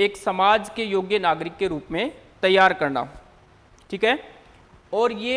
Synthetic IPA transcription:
eːksɐmaːd͡ʒkejoːɡjənaːɡɾɪkːeɾuːpmẽt̪ɐjːaːɾkɐɾna̰ː | ʈʰiːkɦɛː | ɔːɾje

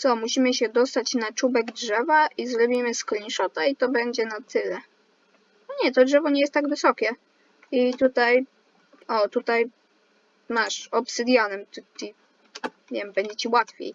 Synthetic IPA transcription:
sɔmuɕimɘɕɛd̪ɔst̪at͡ɕnat͡ʂubɛɡdʐɛvaʔizɾɔbʲimɘsklʲĩʂɔt̪ait̪ɔbɛɲd͡ʑɛnat̪ɘlɛ | ɔɲɛt̪ɔdʐɛvɔɲɛjɛst̪ːaɡvɘsɔkʲɛ | it̪ut̪aj | ɔt̪ut̪aj | maʂɔpsɘd̪ʲjanɛmt̪t̪i | vʲjɛmbɛɲd͡ʑɛt͡ɕiwat̪fʲḛj

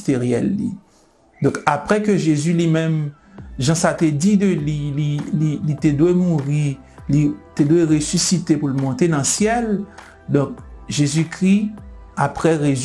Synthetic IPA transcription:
t̪eʁjɛ̰lːḭ | d̪ɔ̃kapʁɛkøʒezylimɛ̃m | ʒɑ̃sat̪ɛdid̪əlilililit̪ed̪wemuʁi | lit̪ed̪weʁesysit̪epulmɔ̃t̪enɑ̃sjɛl | d̪ɔ̃k̚ʒezykʁiapʁɛʁe

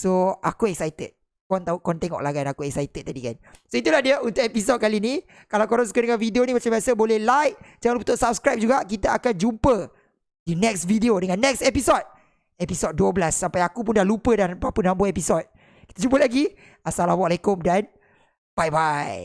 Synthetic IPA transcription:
soa̰kuɛksajt̪ə̰t̚ | kɔnt̪aukɔnt̪ɛŋɔ̰ʔlaɡanakuɛksajt̪ət̚t̪adikansoit̪ulahdiəunt̪ʊkʔepis̬ot̚kalinĩ | kalawkɔɾɔns̬u̥kədəŋãnvideonĩmat͡ʃambasəbolɛhlajk̚d͡ʒalupət̪ʊʔsap̚skɾajp̚d͡ʒuɡaʔkit̪aakand͡ʒupə | dinɛksvideodəŋãnːɛk̚sepisɔt̪̚ | ɛpisɔt̚duəblasːampajakup̬undalupədanpapənãmboepisɔt̪̚ | kit̪ad͡ʒumpəlaɡi | asalamalekʊmdan | b̥ajbaj

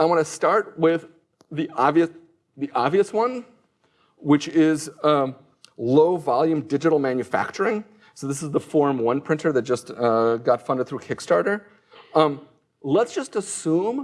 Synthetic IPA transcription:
aɪwɑ̃nɨstɑɹt̚wɪð | iʔɑbviɨs | ðiʔɑbviɨswʌ̃n | wɨt͡ʃɪz | loʊvɑlˠjʉ̃mdɪd͡ʒɨɾl̩ˠmæ̃njɨfæ̰k̚t͡ʃə˞ɪ̃ŋ | soʊðɪsəzðəfɔɹmwʌ̃npʰɹ̥ɪ̃ntʰə˞ðɨt̚d̥ʒ̥ʌstʌɡɑtfʌ̃ndɨd̪̚θɹʉkʰɪkstɑɹɾə˞ | lətsd̥ʒ̥ʌstəsũm

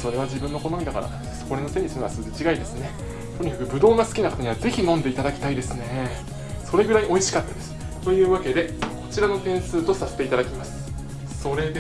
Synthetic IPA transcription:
so̞ɾe̞βad͡ʑibɯ̟̃nːo̞ko̞nomʲid̪akaɾa̰ | so̞̥koɾeno̞sẽ̞ɲi̥sinɲoβasɨɡɯt͡ɕiɡaid̪e̞sɨne̞ | t̪o̞ɲ̟ikakɯ̟bɯ̟d̪o̞ːɡasɨ̥kʲinakat̪aɲ̟iβad͡ze̞çinõ̞nd̪e̞it̪ad̪akʲi̥t̪aid̪e̞sɨne̞ | so̞ɾe̞ɡɯ̟ɾaiʔo̞iɕi̥kat̪ːad̪e̞sɨ̥ | t̪o̞jɯ̟ːβake̞d̪e̞ko̞t͡ɕiɾano̞t̪ẽ̞ɰ̃sɨːt̪o̞saset̪e̞it̪ad̪akʲimasɨ̥ | so̞ɾe̞d̪e

